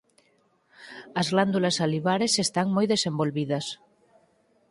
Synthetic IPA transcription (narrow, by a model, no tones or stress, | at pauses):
ɐzɣland̪ulɐsaliβ̞aɾesest̪aŋmojðesembolβiðɐs